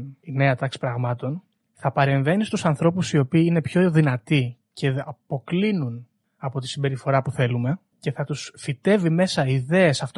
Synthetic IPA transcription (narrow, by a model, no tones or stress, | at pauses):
ine̞ɐt̪ɐksi̥pɾɐɣmɐt̪o̞n | θɐpɐɾe̞ɱve̞nist̪usɐnθɾo̞pusio̞piːine̞pço̞ðinɐt̪i | ce̞ɐpo̞klinun | ɐpo̞t̪i̥simbe̞ɾifo̞ɾɐpuθe̞lume̞ | ce̞θɐt̪usfit̪e̞vime̞sɐiðe̞esɐft̪